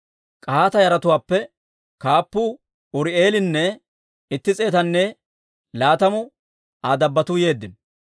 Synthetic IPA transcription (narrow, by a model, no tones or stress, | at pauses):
kʼaːt̪ɐjɐɾɐt̪ʊwaːpːɛ | kaːpːuː | ʊɾɪe̞ːlɪnːɛ | ɪt̪ːɪt͡sʼe̞ːt̪ɐnːɛ | laːt̪ɐmʊ | aːd̪ɐbːɐt̪uːje̞ːd̪ːɪn